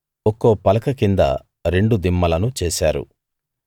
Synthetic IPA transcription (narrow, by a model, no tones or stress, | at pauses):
okoːpɐlɐkɐkind̪ɐ̰ | ɾe̞ɳɖud̪imːɐlɐnut͡ʃeːsaːɾṵ